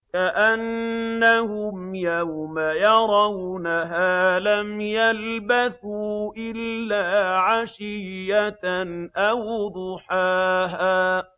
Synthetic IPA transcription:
kaʔanːahʊmjawmajɑɾˤɑwnaɦaːlamjalbaθuːʔɪlːaːʕaʃɪjːanʔawd̪ˤʊħaːɦaː

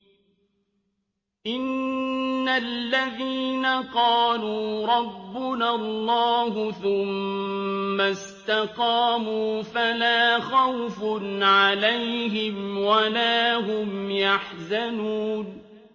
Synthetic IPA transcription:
ʔɪnː | alːaðiːnaqɑːluːɾˤɑbːʊnalːɑːɦʊθʊmː | as | t̪aqɑːmuːfalaːxawfnʕalajɦɪmwalaːɦʊmjaħzanuːn

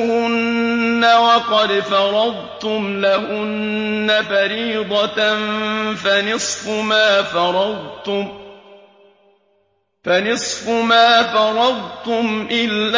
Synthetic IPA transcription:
hʊnːawɑqɑd̪fɑɾˤɑd̪ˤt̪ʊmlaɦʊnːafaɾiːd̪ˤɑnfanɪsˤfʊmaːfɑɾˤɑd̪ˤt̪ʊm | fanɨsˤfʊmaːfɑɾˤɑd̪ˤt̪ʊmʔɪlː

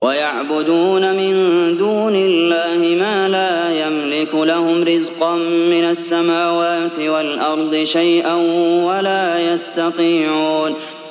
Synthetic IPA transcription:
wajaʕbʊd̪uːnamɪnd̪uːnɪlːaːhɪmaːlaːjamlɪkʊlahʊmɾɪzqɑnmɪnasːamaːwaːt̪ɪwalʔɑɾˤd̪ˤɨʃajʔanwalaːjast̪ɑt̪ˤiːʕuːn

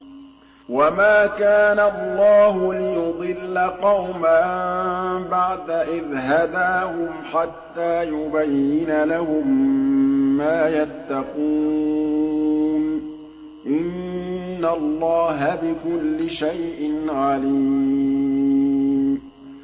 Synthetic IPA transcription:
wamaːkaːnaɑlˤːɑːhʊlɪjʊd̪ˤɨlːaqɑwma | baʕd̪aʔɪðɦad̪aːhʊmħat̪ːaːjʊbajːɪnalahʊmː | aːjat̪ːɑquː | n | ʔɪnː | alˤːɑːɦabɪkʊlːɪʃajʔɪnʕaliː | m

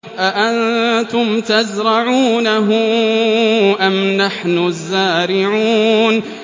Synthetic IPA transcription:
ʔaʔant̪ʊmt̪azɾˤɑʕuːnaɦʊ | ʔamnaħnʊzːaːɾɪʕuːn

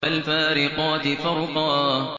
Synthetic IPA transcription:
alfaːɾɪqɑːt̪ɪfɑɾˤʊq̪ɑː

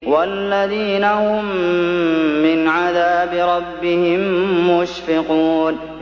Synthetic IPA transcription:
walːaðiːnahʊmː | ɪnʕaðaːbɪɾˤɑbːɪhɪmːʊʃfɪquːn

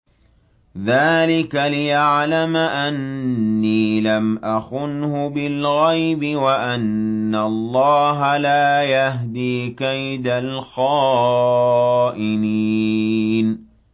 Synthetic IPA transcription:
ðaːlɪkalɪjaʕlamaʔanːiːlamʔaxʊnhʊbɪlɣajbɪwaʔanːaɑlˤːɑːɦalaːjaɦd̪iːkajd̪alxɑː | ʔɪni | n

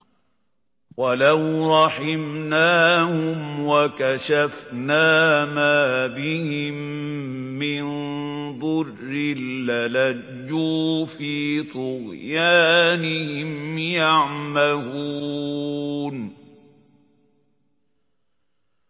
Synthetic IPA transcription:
walawɾˤɑħɪmnaːhʊmwakaʃafnaːmaːbɪhɪmː | ɪnd̪ˤʊrːɪlːala | d͡ʒːuːfiːt̪ˤʊɣjaːnɪhɪmjaʕmahu | n

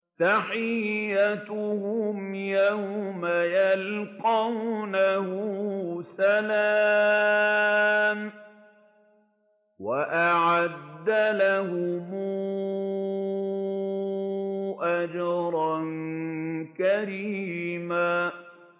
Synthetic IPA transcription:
θaħɪjat̪ʊhʊmjawmajalqɑwnahʊsala | m | waʔaʕad̪ːalahʊm | ʔad͡ʒɑɾˤɑn | kaɾiːmaː

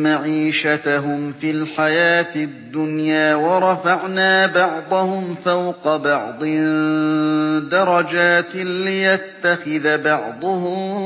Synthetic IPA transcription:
maʕiːʃat̪aɦʊmfilħajaːt̪ɪd̪ːʊnjaːwɑɾˤɑfɑʕnaːbɑʕd̪ˤɑhʊmfawqɑbɑʕd̪ˤɪ | d̪ɑɾˤɑd͡ʒaːt̪lɪjat̪ːaxɪðabɑʕd̪ˤʊhʊm

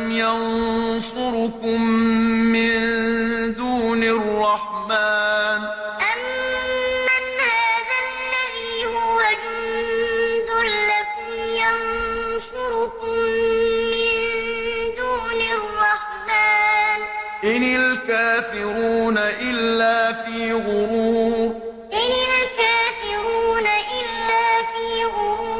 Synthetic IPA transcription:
mjɑnsʊɾʊkʊmː | ɪnnd̪uːnɪrˤːɑħmaːn | ʔamː | anhaːðalːabiːhʊwan | n | ðʊlːakʊmjansʊɾʊkʊmː | ɪnd̪uːnɪrːɑħd̪aːnʔɪnalkaːfɪɾuːnaʔɪlːaːfiːɣʊɾuː | ʔɪnalkaːfɪɾuːnaʔɪlːaːfiːɣʊɾuː

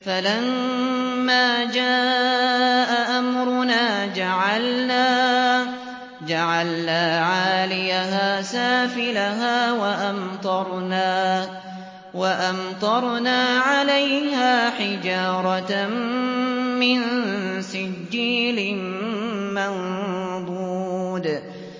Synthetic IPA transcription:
falamː | aːd͡ʒaːʔʔaʔamɾʊnaːd͡ʒaʕalnaː | d͡ʒaʕalnaːʕaːlɪjaɦaːsaːfɪlaɦaːwaʔamt̪ˤɑɾˤna | waʔamt̪ˤɑɾˤnaːʕalajhaːħɪd͡ʒɑːɾˤɑ | mɪnsɪd͡ʒːiːlɪmmand̪ˤuːd̪

